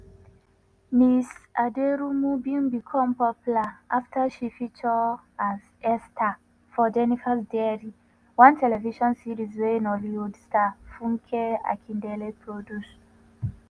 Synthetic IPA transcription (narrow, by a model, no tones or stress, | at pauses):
misadeɹumubĩmbikʰɔ̃mpɔpulaʔaftaʃifit͡ʃɔaz | ɛstʰa | fɔd͡ʒɛnifasdɛɹi | wãntɛlɛviʃɔ̃nsiɹizweĩnɔliudstafũŋkʰɛa̰kʰĩndɛlepʰɹodus